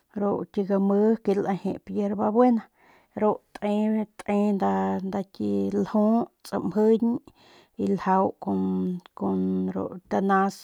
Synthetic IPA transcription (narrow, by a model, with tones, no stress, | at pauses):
ɾo˧ʔkʲi˧ɡa˧mə˦ke˧la˧hḛ̃˧pje˧ɾba˧bwe˦na˧ | ɾo˧ʔt̪ʔẽ˦t̪ʼʔẽ˧nd̪a˧nd̪a˧kʲi˧lhõ˦t͡sʼa̰˧mhə˦ɲ | i˧lha˧wko˧ko˧nɾo̰˧ʔt̪a˧nã˧s